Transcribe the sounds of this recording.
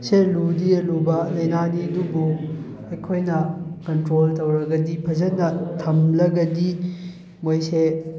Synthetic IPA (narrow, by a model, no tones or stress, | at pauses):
seludiɐlubɐlɐjnaniɐdubu | ɐjkʰojnɐkɐntɾoltɐwɾɐɡɐdipʰɐzɐnːɐtʰɐmlɐɡɐdi | mojse